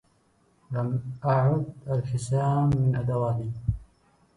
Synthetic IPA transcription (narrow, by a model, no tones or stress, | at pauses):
lamʔaʕʊd̪ʔalħɪsaːmːɪnʔad̪awaːli